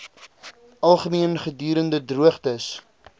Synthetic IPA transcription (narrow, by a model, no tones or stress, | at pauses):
ʔɐlˠχəmiənχədyːɾəndədruəχtəs